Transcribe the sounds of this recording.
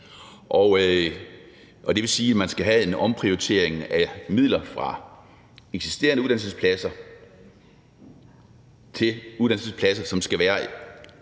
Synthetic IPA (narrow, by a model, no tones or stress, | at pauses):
ʔɒʊø | ʔɒ̽d̥e̝ʋe̝siːæmænsɡ̥æɦæe̝nɒ̽mpʰʁioit͡sʰe̝̰ɐ̰eŋæmið̰ˠlɐfʁɑ̈ | eɡ̥si̥sd̥e̝̰ːɐnəuð̥ˠæn̰l̩səspʰlæsɐ | t͡sʰe̝luðˠdænsəspʰlæsɐsɒ̽msɡ̥æʋæːɐ